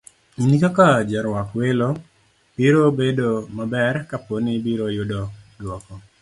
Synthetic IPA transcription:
inikakad͡ʒɛɾwakwelo | b̥iɾobedomabɛrkaponɪbiɾojʊdɔdwɔkɔ

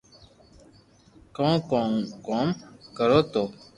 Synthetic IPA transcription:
kɔ̃ːkɔkɔmkəɾoːt̪oː

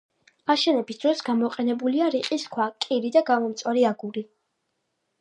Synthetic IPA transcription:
aʃɛnɛbisd̪̥ɾɔsɡamɔqʼɛnɛbuliaɾiqʼiskʰwakʼiɾid̪aɡamɔmt̪sʼwaɾiaɡuɾi

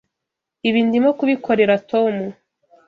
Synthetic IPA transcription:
iβiːndimokuβikʰo̞ɾe̞ɾatʰo̞mu

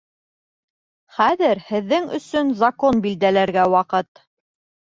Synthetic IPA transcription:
χæðɘɾhɘ̆ðːɘŋɵ̰̆sɵnzɐkonbild̪ælæɾɡæwɑqɤt̪

